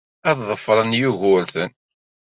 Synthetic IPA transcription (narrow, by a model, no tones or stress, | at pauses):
æððˤəfːɾˤənjuʝʊɾθən